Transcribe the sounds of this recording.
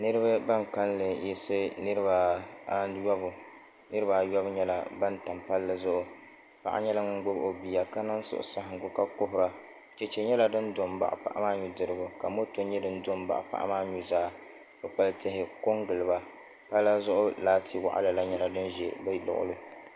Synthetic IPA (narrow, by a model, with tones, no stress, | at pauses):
nɨ˦ɾɨ˦ba˦ba˦ŋka˦nlɨ˨jɛ˦sɨ˦nɨ˦ɾɨ˦ba˨ | jɔ˦bʊ˨ | nɨ˦ɾɨ˦ba˨jɔ˦bɲɛ˦la̰˨ba˦n˦ta˨mpa˦lːɨ˦zʊ˦ʔʊ˨ | pa̰˨ʔa̰˦ɲɛ˦la˦ŋ˦ŋ˦ɡ͡bʊ˦bʔo˨bi˨ja˨ka˦na˦n˦sʊ̰˦ʔʊ̰˨sa˦ɦɪ˨ŋɡʊ˦ka˦ko˦ɦʊ˦ɾa˦ | t͡ʃɛ˨t͡ʃɛ˨ɲɛ˦la˨dɨ˦ndo˨mba̰˨ʔpa̰˦˨ʔa̰˦maː˦ɲu˨dɨ˨ɾɨ˦bʊ˨ka˨mo˦to˦ɲɛ˦dɨ˦n˦do˦mba̰˨ʔa̰˨pa̰˦ʔa̰˦maː˦ɲu˦zaː˦ | bɨ˦pa˦ltɪ˦ɦɪ˨ko˦ŋɡɨ˨lɨ˨ba˦ | pa˦lːa˦zʊ˦ʔʊ˦laː˦tʰi˦wa̰˦ʔa̰˦la˨la˦ɲɛ˦la˦dɨ˦n˦ʒɛ˨bɛ˦˨lʊ̰˨ʔʊ̰˦lɨ˦